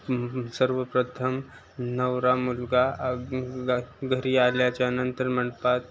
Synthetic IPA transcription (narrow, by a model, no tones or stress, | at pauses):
səɾʋəpɾət̪ʰəm | nəwɾamulɡa | ɡʱəɾialjat͡ɕaənənt̪əɾməɳpat̪̚